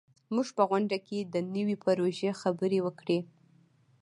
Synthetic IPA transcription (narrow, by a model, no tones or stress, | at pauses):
muʒpəɣwaɳɖaked̪ənəwipaɾoʒexabəɾewəkɽe